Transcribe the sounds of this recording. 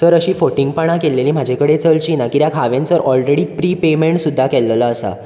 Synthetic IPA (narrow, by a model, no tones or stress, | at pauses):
səɾəɕiːfoʈiŋɡpəɽ̃akelːeliːm̤ad͡ʑʱekəɽet͡səlt͡ɕiːnakiɾjakʰaʋjẽnt͡səɾʔɔlɾeɽiːpɾiːpemeɳʈsud̪ʱːakɛlːlaːsa̰